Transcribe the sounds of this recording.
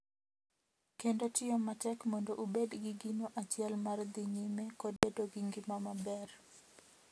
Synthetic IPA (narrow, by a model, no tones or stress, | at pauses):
kendotɪɔmatɛkmɔndɔʔubedɡɪɡinoʔat͡ʃɪɛlmard̪ɪɲimekɔd̚bedoɡɪŋɡɪmamabɛr